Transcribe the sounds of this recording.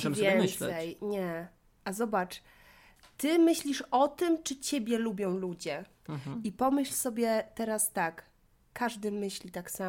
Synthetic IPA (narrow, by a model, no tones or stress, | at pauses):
vʲjɛnt̪sɛjɲɛ | ʔazɔbat͡ʂ | t̪ɘmɘɕlʲiʂɔt̪ɘmt͡ʂɘt͡ɕebʲjɛlubʲjɔ̃w̃lud͡ʑɛ | ipɔmɘɕlsɔbʲjɛt̪ɛɾast̪akː | aʐd̪ɘmɘɕlʲit̪aksa